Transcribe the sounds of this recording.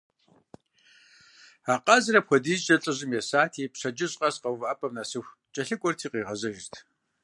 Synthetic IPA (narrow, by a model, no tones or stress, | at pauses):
aːqɑzɨɾɐpxʷɔdiːzt͡ʃʼɐɬʼɨʑɨmjɛsaːtʰiːpɕɐd͡ʒɪɕʼqʼɐsqɐwvʔaːpʼɐmnaːsɨxʷ | t͡ʃʼɐɬɨkʷʼɔrtʰiːqiːʁɐzɐʒɪtʰ